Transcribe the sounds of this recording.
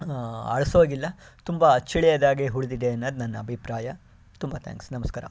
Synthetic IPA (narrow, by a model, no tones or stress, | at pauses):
ɐ̰ɭɐsoːɡilːɐt̪umbɐɐt͡ʃːiɭɛjɐd̪aːɡeɦuɽd̪id̪eɐnːɐːd̪nɐnːɐːbʱipɾaːjɐ | t̪umbɐt̪ʰa̰ːŋksnɐmɐskaːɾɐ̰